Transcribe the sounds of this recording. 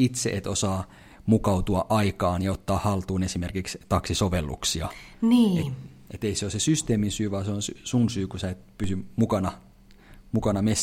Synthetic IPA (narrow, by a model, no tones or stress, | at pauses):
it̪sḛʔet̪osɑː | mukɑut̪uɑʔɑikɑːnjɑot̪ːɑːhhɑlt̪uːnesimerkikst̪ɑksisoʋelːṵksiɑniːe | ʔet̪eiseosesyst̪eːminsyːʋɑːseonsysunsyːkusæːˑet̪pysymukɑnɑ | mukɑnɑmes